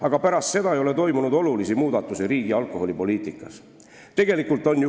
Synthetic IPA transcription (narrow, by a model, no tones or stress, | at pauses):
ɑɡ̥ɑpæɾɑst̪se̞d̪ɑejo̞le̞t̪o̞jmunud̪o̞lulisimuːd̪̥ɑt̪ːˑusiɾiːɡ̥iɑlkˑo̞ɦo̞lʲipo̞liːt̪ˑikːˑɑs | t̪e̞ɡ̥e̞likult̪ːˑo̞nʲj